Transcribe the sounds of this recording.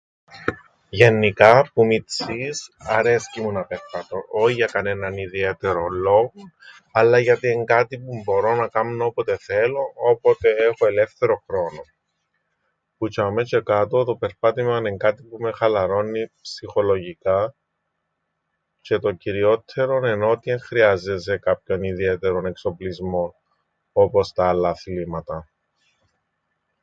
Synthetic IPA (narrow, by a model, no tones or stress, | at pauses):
ʝe̞nːikɐpumit͡sisɐɾe̞scimunɐpeɾpɐt̪o̞ʔoçiʝɐkɐne̞nɐniðiet̪eɾolːoɣo | ɐlːɐʝɐt̪ieŋɡɐt̪ipumbo̞ɾo̞nɐkɐmnoopot̪e̞θelo̞opot̪e̞exoe̞lefθe̞ɾo̞xɾo̞no | put͡ʃɐmet͡ʃe̞kɐt̪o̞t̪o̞pe̞ɾpɐt̪imɐneŋɡɐt̪ipume̞xɐlɐɾo̞nːipsixo̞lo̞ʝika | ce̞t̪o̞ciɾio̞t̪ʰːe̞ɾo̞ne̞no̞t̪ieŋxɾiɐzes̬e̞kapço̞niðie̞t̪e̞ɾo̞ne̞kso̞plizmo̞n | o̞po̞st̪ɐːlːɐθlimɐt̪ɐ